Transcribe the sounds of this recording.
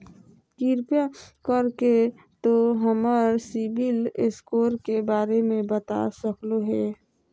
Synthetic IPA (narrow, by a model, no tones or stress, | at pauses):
kiɾpjakəɾke | t̪oɦəməɾsibileskoːɾkebaːɾemẽbət̪a̰səkloɦɛː